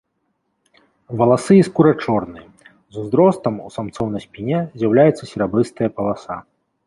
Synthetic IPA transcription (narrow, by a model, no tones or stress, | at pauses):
vɐlˠasɨiskuɾat͡ʂɔrnɨjɐ | zuzɾɔst̪ɐmṵsamt̪sɔwnɐsʲpʲinʲɛzʲjawlʲajɛt̪sːɐsʲiɾabɨst̪ɨjɐpɐlˠasa̰